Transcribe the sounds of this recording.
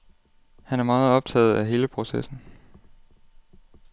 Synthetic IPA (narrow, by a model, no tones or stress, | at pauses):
hænæɐmɑ̈ːð̩ˠɒ̽b̥̚t͡sʰɛ̰ːð̩ˠæɦe̝ːləpʰʁo̝sesn̩